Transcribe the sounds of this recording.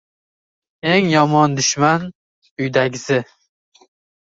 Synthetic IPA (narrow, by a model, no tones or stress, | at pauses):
e̞ŋjɒmɒnd̪ʊʃman | ʊjd̪aɡʲzɪ